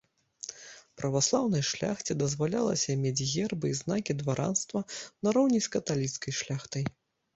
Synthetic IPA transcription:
pɾɐvaslˠawnɐjʂlʲa̰xt͡sʲid̪ɐzvalʲa̰lˠɐ̰sʲɐmʲed͡zʲɣʲɛrbɨiznakʲid̪vaɾʔa̰nst̪vɐnɐɾɔwnʲisʲkɐt̪alʲit̪skɐjʂlʲaxt̪ɐj

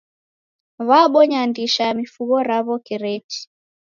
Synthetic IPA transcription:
βaɓɔɲandiʃamifuɣɔɾaβɔkɛɾɛt͡ʃi̥

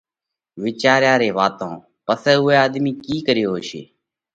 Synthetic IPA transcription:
ʋɪt͡ʃaːɾjaːɾeːʋaːt̪õː | pəsɛːʊeːaːd̪miːkiːkəɾɪjoːɦoːʃḛː

